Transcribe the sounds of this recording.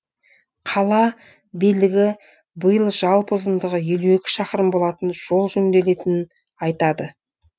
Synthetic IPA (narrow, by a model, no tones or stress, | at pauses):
qʰɑlˠɑ | bijlɪɡʲɪ | bəjəlˠʒɑlˠpʊzənd̪əʁəje̞luekʲɪ̥ʃɑqəɾəmbo̞lˠɑt̪ənʒ̥o̞lˠʒɵŋd̪e̞le̞t̪ɪnɪn | ɑjt̪ɑd̪ə